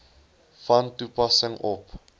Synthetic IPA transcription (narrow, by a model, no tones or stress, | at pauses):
fɐntupɐsəŋɔp